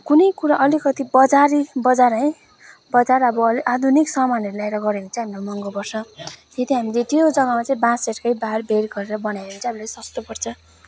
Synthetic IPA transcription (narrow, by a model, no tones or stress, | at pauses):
kunʌjkuɾaʔʌlikʌt̪ibʌd͡zaɾibʌd͡zaɾʌj | bʌd͡zaɾʌbʌliʔad̪ʱuniksʌmanʌɾulajɾʌɡʌɾeɦunt͡sʰʌɦamiɾomʌŋɡobʌrsʰʌ̃t̪et̪iɦamilet̪ijod͡zʌŋʌmat͡saĩbãseʈkʌjbaɦarbʱeɾɡʌɾeɾʌbʌnajeɦunt͡sʰʌ̃ɦamilasʌst̪opʌrt͡sʰʌ